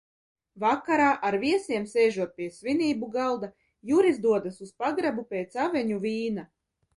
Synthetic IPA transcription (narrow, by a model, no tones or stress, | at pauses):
vakːaɾaːʔaɾviɛsiɛmsɛːʒuɔt̪̚pʲiɛsviniːbuɡalˠd̪a | juɾizd̪uɔd̪asuspaɡɾabupʲeːt̪savʲɛɲuvʲiːna